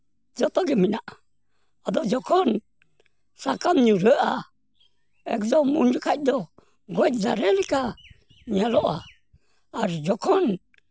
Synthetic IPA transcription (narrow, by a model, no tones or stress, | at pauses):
d͡ʒɔt̪ɔɡɛminaʔ | ad̪ɔd͡ʒɔkʰɔn | sakamɲuɾəʔa | ɛ̰kd͡ʒɔmund͡ʒukʰaid̪ɔ | ɡuɛtd͡ʒa̰ɾɛlika | ɲalɔʔa̰ː | ɾd͡ʒɔkʰɔn